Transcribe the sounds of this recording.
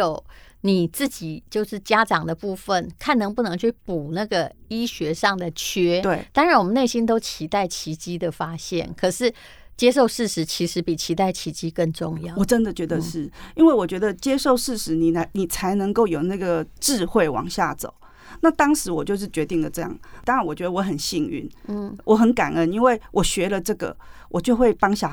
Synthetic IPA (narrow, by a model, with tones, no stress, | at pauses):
jo˨˩ʊ | ni˨˩t͡sɹ̩˥˩t͡ɕi˨˩t͡ɕjo˥˧ʊʂɻ̩˥˩t͡ɕja˥ʈ͡ʂɑ˨˩ŋd̪ə˩pu˥˩fə˥˨nkʰa˥˩nɤ˧˥ŋpu˥˩nɤ˧˥ŋt͡ɕʰy˥˩pu˨˩na˥˩ɡə˩i˥ɕɥɛ˧˥ʂɑ˥˩ŋd̪ə˩t͡ɕʰɛ˥t̪we˥˩t̪a˥ŋɻa˨˦nwɔ˨˩mə˦ne˥˩ɪɕi˥nt̪o˥ʊt͡ɕʰi˧˥t̪a˥˩ɪt͡ɕʰi˧˥t͡ɕi˥d̪ə˨fa˥ɕjɛ̰˥˩nkʰɤ˨˩ʂɻ̩˥˩ | t͡ɕjɛ˥ʂ̬o˥˧ʊʂɻ̩˥˩ʂɻ̩˧˥t͡ɕʰi˧˥ʂɻ̩˧˥pi˨˩t͡ɕʰi˧˥t̪a˥˩ɪt͡ɕʰi˧˥t͡ɕi˥kə˥˧nʈ͡ʂʊ˥˧ŋjɑ˥˩˨wɔ˨˩ʈ͡ʂə˦˥nd̪ə˨t͡ɕɥɛ˧˥d̪ə˧ʂɻ̩˥˩i˥nwe˥˩ɪwɔ˨˩t͡ɕɥɛ˧˥d̪ə˨t͡ɕjɛ˥ʂo˥˧ʊʂɻ̩˥˩ʂɻ̩˧˥ni˨˩na˨˧ni˨˩t͡sʰa˧˥ɪnə˧˦ŋko˥˩ʊjo˨˩ʊna˥˩ɡə˩ʈ͡ʂɻ̩˥˧xwe˥˩ɪwɑ̰˨˩ŋɕja˥˩t͡so̰˨˩˦ʊ | na˥˨t̪ɑ˥ŋʂɻ̩˧˥wɔ˨˩t͡ɕjo˥˧ʊʂɻ̩˥˩t͡ɕɥɛ˧˥t̪i˥˩ŋd̪ə˨˩ʈ͡ʂɤ˥˧jɑ̰˥˩ŋt̪ɑ˥ŋa˧˥nwɔ˨˩t͡ɕɥɛ˧˥d̪ə˧wɔ˧˦xə˨nɕi˥˧ŋy̰˥˩nn̩˥˩wɔ˧˦xə˧˦nka˨˩nə˦ni˥nwe˥˩ɪwʔɔ˨˩ɕɥɛ˧˥lə˨ʈ͡ʂɤ˥˩ɡə̰˩wʔɔ˨˩t͡ɕjo˥˧ʊxwe˥˩ɪpɑ˥ŋɕja˥˩